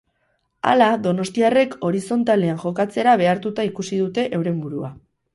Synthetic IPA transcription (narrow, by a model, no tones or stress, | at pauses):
a̰laðo̞no̞st̪iare̞ko̞ɾiso̞nt̪ale̞aŋʝo̞kat͡se̞ɾaβ̞e̞aɾt̪ut̪aikusiðut̪e̞ʔewɾe̞mbuɾua̰